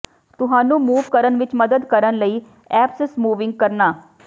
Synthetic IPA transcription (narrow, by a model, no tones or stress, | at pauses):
t̪ʊɦaːnũːmuːʋkəɾənʋɪt͡ʃməd̪əd̪kəɾənləiː | ɛːpsəsmuːʋɪ̃ŋɡ̚kəɾnaː